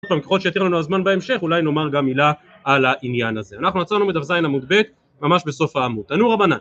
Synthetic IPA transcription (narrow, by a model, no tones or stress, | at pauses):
pamkeχo̞ʃejat̪iʁlanuazmanbeemʃe̞χulajno̞maʁɡamːilaː | laʔinjanaze̞anaχnuat͡sanumid̪afzajinamud̪be̞t̪ | mamaʃbe̞so̞faːmudt̪anuʁabanan